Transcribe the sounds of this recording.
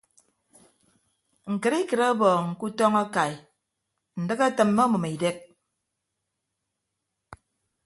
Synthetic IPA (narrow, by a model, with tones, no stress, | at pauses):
ŋ̩˨kɨ˨ɾi˦kɨ˨ɾa˦bɔː˨ŋ̩˨ku˦tɔ˦ŋa˦ka˨j | n̩˨dɨ˦ka˦tɨ˨mːo˦mɔ˨mi˨de˦k̚